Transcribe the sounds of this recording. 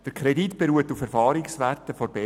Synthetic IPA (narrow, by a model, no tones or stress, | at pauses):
d̥əɾkʰɾeditb̥eɾuːətufɛɾfɑːɾiksʋærtəfoɾbe